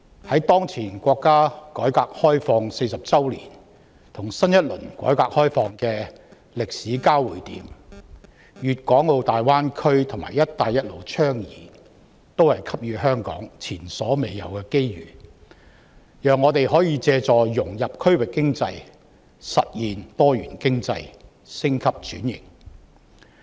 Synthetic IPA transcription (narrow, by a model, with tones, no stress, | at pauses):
hɐ˨˥jt̪ɔː˥ŋt͡sʰiː˨˩nkʷɔː˧kːaː˥kɔː˨˥jkaː˧k̚hɔː˥jfɔː˧ŋse˧jsɐ˨p̚t͡sɐ˥wlḭː˨˩n | t̪ʰʊ˨˩ŋsɐ˥njɐ˥t̚lɵ˨˩nkʷɔ̰ː˨˥jkaː˧k̚hɔː˥jfɔː˧ŋkɛː˧ | lɪ˨k̚siː˨˥kaː˥wwu˨˩jt̪iː˨˥m | jyː˨t̚kɔː˨˥ŋo˨˧wt̪aː˨jwaː˥nkʰɵ˥ɥt̪ʰʊ˨˩ŋma̰ː˨˩jɐ˥t̚t̪ːaː˨jɐ˥t̚lo˨˩wt͡ʃʰœː˥ŋjḭː˨ | t̪o˥whɐ˨jkʰɐ˥p̚jyː˨˧ɦœː˥ŋkɔ̰ː˨˥ŋt͡sʰiː˨˩nsɔː˨˥me˨jjɐ̰˨˩wkɛː˧ke˥jɥy̰ː˨˩ | jœː˨ŋːɔː˨˧t̪e˨jɦɔː˨˥jiː˧t͡sɛː˧t͡sɔː˨jʊ˨˩ŋjɐ˨p̚kʰɵ˥ɥwɪ˨kːɪ˥ŋt͡sɐ˧j | sɐ̰˨t̚jiː˨nt̪ɔː˥jyː˨˩nkɪ˥ŋt͡sɐ˧j | sɪ˥ŋkʰɐ˥p̚t͡ʃyː˨˥njɪ̰˨˩ŋ